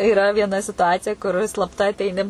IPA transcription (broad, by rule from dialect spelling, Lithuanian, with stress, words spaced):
ɪˈrɐ ʋʲiɛnɐ sʲɪtʊˈɑːt͡sʲɪjɛ kʊr ɪ slˠɐpˈtɐ ɐtʲɛɪˈnʲɪ